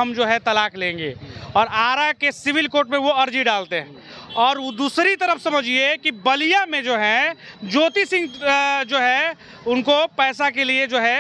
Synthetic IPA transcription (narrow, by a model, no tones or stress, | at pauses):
ɐmd͡ʒoːɦɛ̃t̪ɐlaːklẽːŋɡḛːɔːɾaːɾakesɪʋɪlkoːɾʈmẽʋoɐɾd͡ʒiɖaːlt̪eɦɛ̃ː | ɔːɾod̪uːsɾit̪ɐɾəfsɐməd͡ʒiekibɐlijamẽd͡ʒoːɦɛ̃d͡ʒoːt̪isɪ̃ŋɡd͡ʒoːɦɛ | ʊnkopɛːs̬akelied͡ʒoːɦɛ